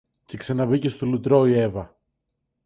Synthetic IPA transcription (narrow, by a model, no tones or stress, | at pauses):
ce̞ksɐnɐbice̞st̪olut̪ɾo̞ie̞vɐ